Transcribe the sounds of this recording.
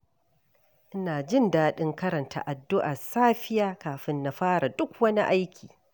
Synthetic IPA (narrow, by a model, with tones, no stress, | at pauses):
ʔɪ˦naː˨d͡ʒɪ˦˨ndaː˦ɗɪ˦ŋkɐ˦ɾɐ˨ntʰa̰˨ʔa˨dːʊ˦ʔa˨saː˦ɸɪ˦jaː˦kaː˨ɸɪ˦nːa˨ɸaː˦ɽa˨dʊ˦k̚ʷwɐ˦ni˦ʔa˦jkʲʰiː˨